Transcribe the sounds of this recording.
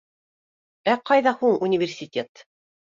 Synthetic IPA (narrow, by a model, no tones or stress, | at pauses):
æqɑjðɑhuɴunʲɪvʲɪrsʲɪtʲe̞t̪